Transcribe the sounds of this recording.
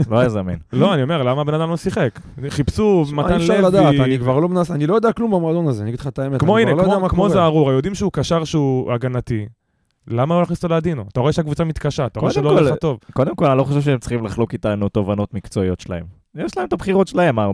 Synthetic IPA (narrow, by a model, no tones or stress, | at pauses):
loajazamenlo̞aniome̞ʁlamabenad̪amlomsiχek | iχipsumaanlelavd̪ataikvaʁlomnasanilo̞jod̪eaklumbamoːd̪onazeaniaɡidlχat̪aemet̪kmoinelkmoakmozeaʁuʁajod̪imʃeukaʃaʁʃeuaɡanat̪i | lamalolaχnist̪olead̪inoat̪aoeʃeakvut͡samit̪kaʃaːt̪aoedʃelolat̪o̞vkod̪emkolanilo̞χoʃevfʃeemt͡sχimlaχlo̞kit̪anut̪o̞vano̞t̪mikt͡soiot̪ʃela̰em | jeʃlaemt̪abχiʁotʃelaema